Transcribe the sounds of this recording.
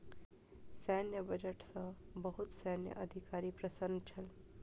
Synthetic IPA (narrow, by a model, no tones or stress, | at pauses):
sɛnjəbəd͡ʒəʈsɐ̃bəɦut̪sɛːnjə̰ʔəd̪ʱikaːɾipɾəsənt͡ʃʰɐl